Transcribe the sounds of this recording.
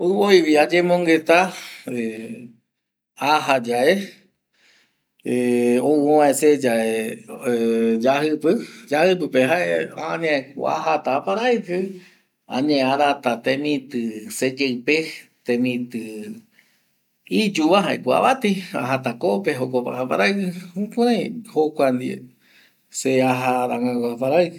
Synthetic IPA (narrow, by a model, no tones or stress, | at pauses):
oβoiʋiad͡ʒẽmõŋɡet̪ae | aɦad͡ʒae | eooʋãesed͡ʒae | d͡ʒahɨpɨd͡ʒahɨp̬ɨpeɦaeaɲãekua̰ɦat̪apaɾajkɨ | ã̰ɲẽaɾat̪at̪ẽmĩt̪ɨsed͡ʒeɨpet̪ẽmĩt̪ɨ | id͡ʒuβaɦaekua̰βat̪ia̰ɦat̪akopeɦokopa̰apa̰ɾajkɨũkʷaɾãj̃hokʷand̪iḛ | seaɦaɾaŋãkaapaɾajkɨ